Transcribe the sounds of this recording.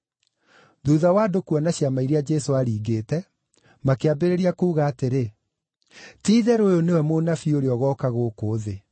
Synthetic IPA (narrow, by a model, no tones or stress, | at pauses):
ðuːðawaːdokuɔnaɕjamaiɾead͡ʒɛsoaɾiːɡeːtɛ | makeabeɾeɾiakuːɣaːteɾe | tiːðɛɾojonewɛmoːnafioɾeɔɣɔːkaɣoːkoːðe